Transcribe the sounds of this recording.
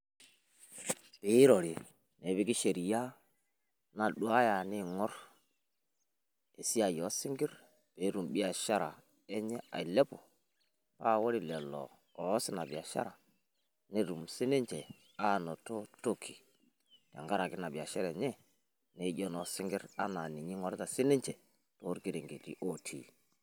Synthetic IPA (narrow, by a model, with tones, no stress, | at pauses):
pe˨˦ɾo˨ɾi˨ | ne˨˦bi˦ki˦ʃe˨ɾi˨ja˦ | na˨ɗu˦a˦ja˨ni˦ŋɔ˦ɾ | e˨si˦a˨jɔ˨˦sɪ˦ŋɡi˦ɾ | pe˨˦ɾu˨mɓi˦a˨ʃa˦ɾa̰˨ | ɛ˦ɲɛ˦a̰˨i˨lɛ˦po˨ | pa˦˨wɔ˦ɾi˦˨lɛ˨lɔ̰ː˨˦ | si˦na˨bi˨a˨ʃa̰˦ɾa˨ | ne˦ɾu˨msi˦ne˦ɲt͡ʃɛ˨ | a˦no˨to˦to˦kʰi˨ | ta̰˨ŋɡa˦ɾa˨ɡi˦na˨bi˨a˨ʃɛ˦ɾe˨ɲɛ˦ | ne˨˦ɟɔ˦nɔ˨˦si˦ŋɡi˦ɾa˦na˨ni˨ɲi˦ŋɔ˦ɾta˨si˦ne˦ɲt͡ʃe˨ | to˨˦ɾɡi˦ɾe˨ŋɡe˨tḭ˦ʔo˦tʰḭ˨